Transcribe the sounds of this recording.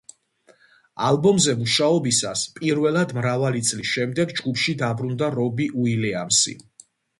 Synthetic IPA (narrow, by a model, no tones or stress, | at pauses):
alˠbɔmzɛmuʃaɔbisaspʼiɾvɛlˠad̪mɾavalit̪sʼlisʃɛmd̪ɛɡd͡ʒɡupʰʃid̪abɾund̪aɾɔbiʔuilɛamsḭ